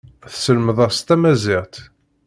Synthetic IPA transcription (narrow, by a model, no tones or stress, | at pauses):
θsəlməðˤɑʁst̪æmæzɪʁt̪